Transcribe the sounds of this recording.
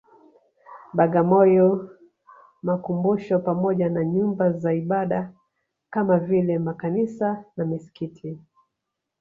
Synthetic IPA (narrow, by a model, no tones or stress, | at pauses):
ɓaɠamɔjɔ | makumbuʃɔpamɔʄanaɲumbazaiɓaɗa | kamavilɛmakanisanamisi̥kitʰi